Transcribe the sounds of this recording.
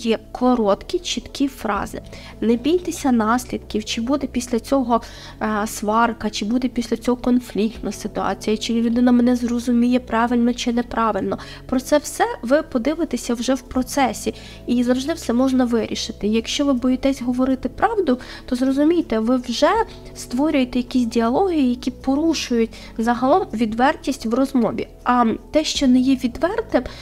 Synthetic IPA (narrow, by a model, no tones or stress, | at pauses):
jɛkʰɔɾɔt̪kʲit͡ʃit̪kʰʲifɾɑ̰zɪ̰ | nebʲijt̪esʲɐnɑsʲlʲid̪kʲiwt͡ʃɪbud̪ɛpʲisʲlʲɐt͡sʲɔɦɔ | sʋɑrkɐt͡ʃɪbud̪ɛpʲisʲlʲɐt͡sʲɔɦɔkɔnflʲik̚t̪nʊsɪt̪ʊɑ̰t͡sʲijɐt͡ʃɪlʲlʲʊd̪ɪnɐmɛnɛzrɔzʊmʲijɛpɾɑʋɪlʲnɔt͡ʃɪnɛpɾɑʋɪlʲnɔ | pɾɔt̪sɛwsɛʋɪpɔd̪ɪʋɪt̪esʲɐwʒɛwpɾɔt̪sɛsʲi | izɐwʒd̪ɪwsɛmɔʒnɐʋɪɾʲʔiʃɪt̪ɪjɐkʃt͡ʃɔʋɪbɔjit̪ɛsʲɦɔʋɔɾɪt̪ɪpɾɑwd̪ʊ | t̪ɔzrɔzʊmʲijt̪ɛʋɪwʒɛ | st̪ʋɔɾʲʊjet̪ɛjɐkʲisʲdʲiɐlˠɔɦijijɐkʲipɔɾuʃʊjʊtʲ | zɐɦɐlˠɔmʋʲid̪ʋɛrtʲisʲtʲʋrɔzmɔʋʲi | ɐt̪ɛʃt͡ʃɔnɛjɛʋʲid̪ʋɛrt̪ɪm